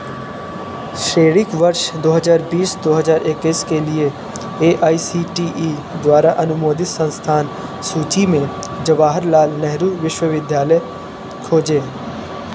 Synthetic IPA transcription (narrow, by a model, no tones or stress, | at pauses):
ʃeːɽɪkʋəɾʃd̪oːɦəzaːɾbiːsd̪oːɦəzaːɾʔɪkːiːskelɪe | eːʔaːisiːʈiːʔː | d̪waːɾaʔənʊmoːd̪ɪt̪sə̃nst̪ʰaːnsuːt͡ʃimẽ | d͡ʒəʋaːɦəɾlaːlnɛɦɾuːʋɪʃwəʋɪd̪jaːlə | kʰoːd͡ʒeː